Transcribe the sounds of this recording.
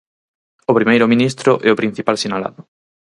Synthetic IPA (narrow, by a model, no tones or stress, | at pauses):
opɾimejɾʊmĩnist̪ɾʊʔɛopɾin̟θipalsinala̰ðʊ